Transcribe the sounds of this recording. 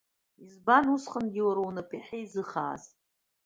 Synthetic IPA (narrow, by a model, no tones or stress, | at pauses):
izbanusχənɡʲiwaɾownɨpʼiħejzɨχa̰ːz